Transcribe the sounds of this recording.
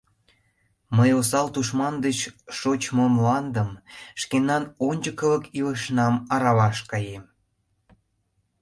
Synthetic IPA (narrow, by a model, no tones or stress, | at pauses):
məjosɑlt̪uʃmɑnd̪ət͡ɕʃot͡ɕmomlɑnd̪əmʃkenːɑnonʲd͡ʑəkələkiləʃnɑmɑɾɑβɑʃkɑjem